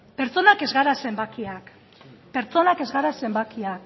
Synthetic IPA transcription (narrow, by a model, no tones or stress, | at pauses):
pe̞ɾt͡so̞nake̞zɣaɾase̞mbakiak | pe̞ɾt͡so̞nake̞zɣaɾase̞mbakiak